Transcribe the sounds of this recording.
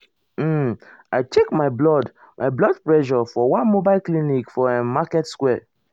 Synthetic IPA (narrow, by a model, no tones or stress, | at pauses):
m̩ | aɪt͡ʃekmaɪblɔd | mʔaɪblɔd̚plɛʒɔfɔwãnmobaɪlklinikfɔãnmakɛtskwɛ